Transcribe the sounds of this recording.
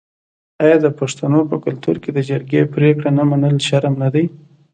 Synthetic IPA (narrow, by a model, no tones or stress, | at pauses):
ɑjɑd̪əpaʂt̪anopəkʊlt̪ṵɾked̪əd͡ʒaɾɡepɾekɽanəmanəlʃaɾmnad̪aj